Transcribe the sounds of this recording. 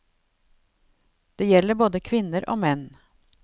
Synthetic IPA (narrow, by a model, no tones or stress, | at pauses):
d̪̥eːjɛlːəboːd̪əkʰʋɪnəɾʔo̰ːmɛn